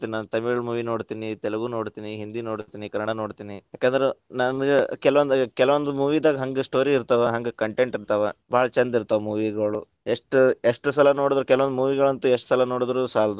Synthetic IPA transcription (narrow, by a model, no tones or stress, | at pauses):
t̪ininaːnut̪ɐmiɡɐɭmuːʋino̞ːɽt̪iːnit̪ɛlɐɡuːno̞ːɽt̪iːniɦind̪inoːɽt̪iːnikɐnːɐɽano̞ːɽt̪iːnijaːkeːnd̪ɐɾenɐnɡekɛlɐʋɐnd̪kɛlɐʋond̪umuːʋiːd̪aːɡɐɦɐŋɡesʈo̞ːɾiːɾt̪ɐʋeɦɐŋɡekɐɳʈe̞ɳʈiɾt̪ɐʋebʱaːɭɐt͡ʃɐnd̪iɾt̪ɐʋemuːʋiɡɐɭṵ | eʂʈeʂʈusɐlɐnoːɽid̪ɐɾukɛlɐʋɐnd̪umuːʋiɡɐɭɐnt̪ueʂʈsɐlɐno̞ːɽid̪ɾusaːld̪u